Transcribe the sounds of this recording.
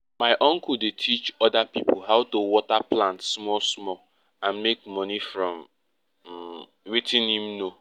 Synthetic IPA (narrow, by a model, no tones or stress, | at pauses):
maɪʔɔ̃ŋkʊdetʰit͡ʃɔdapipʊɦaʊtowɔtaplãntsmɔlsmɔ | ãnmek̚mɔnifɾɔ̃m | wetɪ̃nim̩no